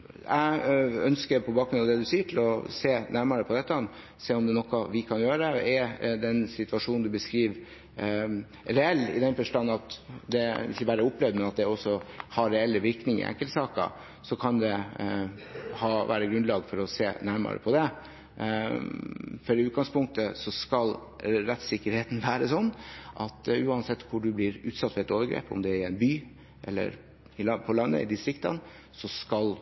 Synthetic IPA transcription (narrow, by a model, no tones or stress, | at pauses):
æœnskəpʰɔbɑːkɾʉnɑd̪ɛd̪ʉsiːəʈʰɪlɔseːnæɾmɑɾəpʰɔd̪ɛt̪ːəɑn | seːɔmd̪ɛnɔkːɑʋɪkʰɑnjøːɾəəɛd̪ɛnsɪt̪ʉʋɑʂuːnnd̪ʉbəskɾiːʋ | ɾɛɛlːɪ̰d̪ɛnfœʂʈɑnːɑt̪d̪ɛɪ̰çəbæːɾəʊpːlɛʋd̪mɛnɑt̪̚d̪ɛɔsɔhɑɾɛɛlːəʋɪɾknɪŋɪ̰ʔɛ̰ŋkːəlt̪sɑːkɑ̰ | sɔkʰɑnd̪ɛ | hɑːʋæ̰ːɾəɡɾʉnd̪lɑːɡfɔɾɔseːnæɾmɑ̰ɾə̰pʰɔd̪ɛ | fɔɾɪʉːt̪̚ɡɑŋspʊŋk̚t̪əsɔskɑlɾɛt̪sɪkːəɾheːt̪n̩ʋæːɾəsɔnːʔɑt̪ʉːɑnsɛt̪ːkʰʊɖʉblɪɾʉːt̪sɑt̪ːfɔɾɛt̪oːʋəɾɡɾḛːpʊ̰md̪ɛæɾænbyː | ʔɛ̰lːə̰ɾ | ɪlɑpʰɔlɑnːə̰ɪ̰d̪ɪst̪ɾɪkt̪ɑ̰n | sɔskɑl